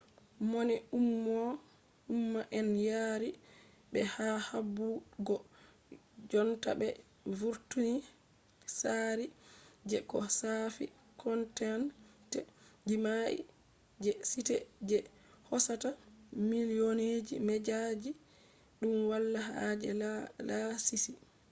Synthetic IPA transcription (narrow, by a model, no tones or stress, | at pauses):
monɛumːɔ | umːaʔɛnjaɾi | bɛhahabːuɡɔ | d͡ʒɔnta̰bɛ | vuɾtuni | saɾid͡ʒɛkɔsafi | kɔntɛntɛd͡ʒimaʔḭ | d͡ʒɛsitɛd͡ʒɛ | hɔsatamilioned͡ʒimɛd͡ʒad͡ʒi | ɗumwalːaɦad͡ʒɛlasisi